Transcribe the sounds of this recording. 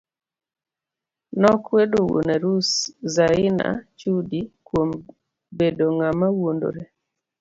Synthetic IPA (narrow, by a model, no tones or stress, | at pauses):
nɔkwedowo̰nɛɾuszaɪna̰t͡ʃudikwom | bedoŋamawondo̰ɾe